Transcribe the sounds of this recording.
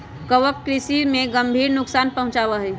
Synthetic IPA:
kəwəp̚kɾisimẽɡəmbʱiːɾnʊksaːnpəɦʊ̃t͡ʃaːʋəɦɛ

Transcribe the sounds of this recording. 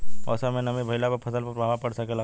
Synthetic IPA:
ɔ̰ːsamẽnɐmebʱɐɪlapɐpʰɐsəlpɐɾbʱaːʋapɐɽsakela

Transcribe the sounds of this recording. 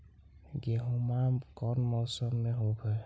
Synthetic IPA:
ɡeɦumakɔnmɔːsəmːeɦobʱɛ

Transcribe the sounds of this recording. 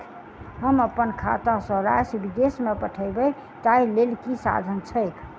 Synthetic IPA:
ɦəməpːənkʰa̰t̪ãsə̃ɾa̰sbid̪esmepəʈʰəɪbəj | t̪ailelkisa̰d̪ʱənt͡ʃʰəɪkʰ

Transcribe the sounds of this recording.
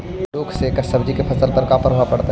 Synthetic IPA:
loːksekɐsəbd͡ʒikepʰɐsəlpəɾkapʰəɾɦoapəɽt̪a

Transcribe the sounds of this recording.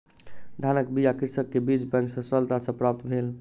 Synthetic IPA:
d̪ʱanəkbijakiɾsəkːebid͡ʒbɛ̃ŋksə̃səlt̪asə̃pɾap̚t̪bʱel

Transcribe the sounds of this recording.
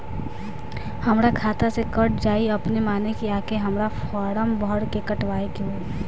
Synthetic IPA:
hɐmɾakʰaːt̪asekəʈ̚d͡ʒaːiɐpnemaːnekiaːkeɦɐmɾafɔːɾəmbɔɽkekɐʈʋaːekõː

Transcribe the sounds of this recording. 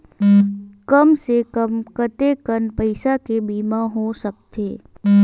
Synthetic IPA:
kəmsekəmkət̪ekənpəɪsakebiːmãɦosək̚t̪eː

